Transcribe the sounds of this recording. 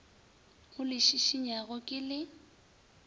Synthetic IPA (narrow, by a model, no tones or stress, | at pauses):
ɣʊlɪʃiʃiɲaɣɔkʼɪlɪ